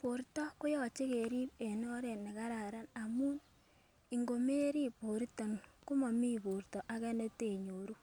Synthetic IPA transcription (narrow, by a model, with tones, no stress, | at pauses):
po˨ɾtɔ˦ko˦jɔ˨t͡ʃe˦ke˨ɾi˦pe˨nɔ˦ɾe˨nːe˨ka˦ɾa˨ɾa˦na˨mu˦n | i˨ŋɡo˨me˦ɾi˦po˨ɾtɔ˨nku˦mɔ˨mi˦po˨ɾtɔ˨ʔa˦kɛ˦ne˦te˨ɲo˨ɾu˦